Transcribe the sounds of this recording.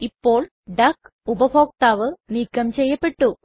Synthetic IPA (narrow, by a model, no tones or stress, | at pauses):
ipːoːɭ | ɖɐkubɐbʱo̞ːk̚t̪aːʋɨniːkːɐmt͡ɕejːɐpːeʈːu